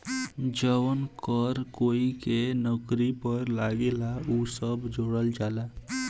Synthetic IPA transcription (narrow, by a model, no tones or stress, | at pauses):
d͡ʒəʋənkəɾkoikenəkɾipəɾlaɡelausəbd͡ʒoɽəld͡ʒala